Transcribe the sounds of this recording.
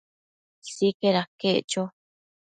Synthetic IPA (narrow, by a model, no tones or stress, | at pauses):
sikeɾakeʔt͡ʃo